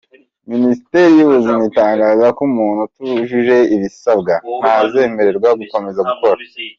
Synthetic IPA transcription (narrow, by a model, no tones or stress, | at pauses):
minisite̞ɾijiβuzinitaːŋɡaːzakumuːnhutuʒuʒe̞iβisabɡan̥haze̞ːme̞ɾe̞ɾɡwaɡuko̞me̞zaɡuko̞ɾa